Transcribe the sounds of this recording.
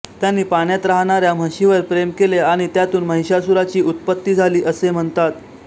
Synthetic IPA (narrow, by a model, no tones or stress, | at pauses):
t̪janːiːpaɳjat̪ɾaɦɳaɾjam̤əɕiʋəɾpɾemkeleaɽ̃it̪jat̪uːnməɦiɕasuɾat͡ɕiːʔut̪̚pət̪ːiːd͡zʱaliːʔəsem̤əɳt̪at̪̚